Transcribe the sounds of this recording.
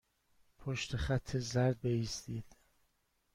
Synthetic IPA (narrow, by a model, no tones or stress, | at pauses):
pʰoʃt̪ʰeχæt̪ʰːezæɾd̪̚beiːst̪iːd̪̥